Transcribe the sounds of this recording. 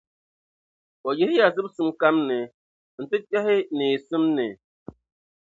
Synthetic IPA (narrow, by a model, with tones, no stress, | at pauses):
ɔ˨je˦hi˦ja˨zɨ˦p̚sɨ˦mka˦mne˨ | n̩˨tɨ˦ta˦ɦɪ˦ne˨sɨ˦mne˨